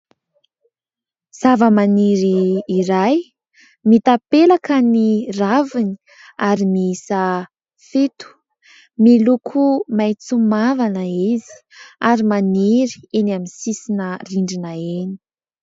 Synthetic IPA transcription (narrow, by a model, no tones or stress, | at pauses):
z̥avəmaniɾiːɾaj | mit̪apelakəniravini̥ | aɾimiisə | fet̪u̥ | milukʰumajt͡sumavanəizi̥aɾimaniɾi̥enaminsisinəriɳɖ͡ʐinəeni̥